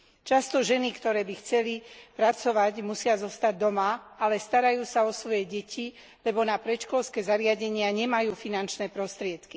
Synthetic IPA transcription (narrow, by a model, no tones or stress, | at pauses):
t͡ʃast̪ɔʒɛnikt̪ɔɾɛːbixt͡sɛlipɾat͡sɔʋaɟmusɪazɔst̪aɟ̚d̪ɔmaalɛst̪aɾajuːsaɔsʋɔjɛɟɛcʰi | lɛbɔnapɾɛʃkɔlskɛːzaɾɪaɟɛɲɪaɲɛmajuːfinant͡ʃnɛːpɾɔst̪ɾɪɛt̪ki̥